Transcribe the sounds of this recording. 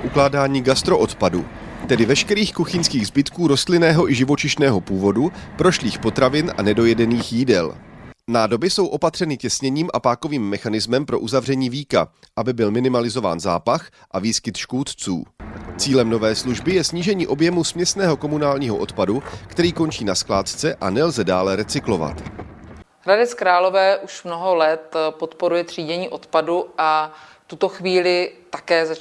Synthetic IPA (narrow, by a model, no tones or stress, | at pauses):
ʔuklaːdaːɲiːɡast̪ɾo̞ʔot̪padṵ | t̪ɛdɪvɛʃkɛɾiːxkuxɪnskiːɣzbɪt̪kuːɾo̞st̪lɪnɛːɦo̞ʔɪʒɪvo̞t͡ʃɪʃnɛːɦo̞puːvo̞dupɾo̞ʃliːxpo̞t̪ɾavɪnʔa̰nɛdo̞jɛdɛniːxjiːdɛ̰lnaːdo̞bɪso̞wʔo̞pat̪r̥ɛnɪcɛsɲɛɲiːmʔa̰paːko̞viːmːɛxanɪzmɛmpɾo̞̰ʔuzavrɛɲiːviːka̰ | ʔabɪbɪlmɪnɪmalɪzo̞va̰ːnza̰ːpax | ʔaviːskɪt̪ʃkut̪t͡sṵːt͡siːlɛmno̞vɛːsluʒbɪjɛsɲiːʒɛɲiːʔo̞bjɛmusmɲɛsnɛːɦo̞ko̞munaːlɲiːɦo̰ʔo̞t̪padukt̪ɛɾiːko̞nt͡ʃiːnasklaːt̪t͡sɛʔanɛlzɛdaːlɛɾɛt͡sɪklo̞va̰t̪ | ɾadɛt͡skɾaːlovɛːʔuʃmnoɦolɛt̪pot̪poɾujɛt̪r̥iːɟɛɲiːʔo̞t̪paduʔaft̪ut̪oxviːlɪt̪ḁkɛːza